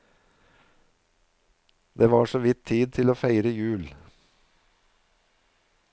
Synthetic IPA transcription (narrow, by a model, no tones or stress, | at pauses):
d̪eːʋɑːʃoːʋɪt̪ʰiːd̪̚t̪ʰɪloːfæɪɾəjʉːl